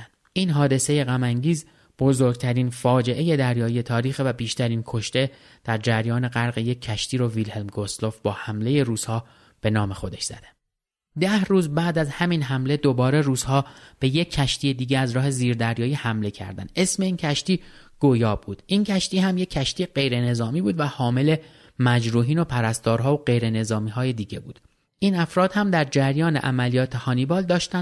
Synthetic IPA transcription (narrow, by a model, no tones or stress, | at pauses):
n | iːnɦɒːd̪e̞se̞je̞ɣæmæŋɟiːz | b̥o̞zo̞ɾɡ̚t̪ʰæɾiːnfɒːd͡ʒe̞ʔe̞je̞d̪æɾjɒːjije̞t̪ʰɒːɾiːxvæbiːʃt̪ʰæɾiːnkʰo̞ʃt̪e̞ | d̪̥æɾd͡ʒæɾjɒːne̞ɣæɾɣeje̞cʰːæʃt̪iːɾovilhelmɡo̞slo̞fb̥ɒːhæmle̞je̞ruːz̥hɒː | b̥e̞nɒːmexo̞d̪e̞ʃz̥æ̰d̪æn | d̪æhruːzbæːd̪æzhæmiːnɦæmle̞d̪o̞bɒːɾeɾuːz̥hɒːb̥e̞jecʰːæʃt̪ije̞d̪iːɟeæzɾɒːhe̞ziːɾd̪æɾjɒːjiːhæmle̞cʰæ̰ɾd̪æ̰nd̪̥e̞sme̞iːncʰæʃt̪iː | ɡ̥ojɒːbuːd̪̥incʰæʃt̪iːɦæmjecʲʰːæʃt̪iːjeɢe̞jɾe̞ne̞zɒːmiːbuːd̪væhɒːme̞le̞ | mæd͡ʒɾuːɦiːno̞pʰæɾæst̪ɒːɾɦɒːoɢe̞jɾe̞ne̞zɒːmiːɦɒːje̞d̪iːɟe̞buːd̪̥ | ʔiːnæfɾɒːd̪̥hæmd̪æɾd͡ʒæɾjɒːnḛʔæmælijɒːt̪ʰehɒːnibɒːld̪ɒːʃt̪æn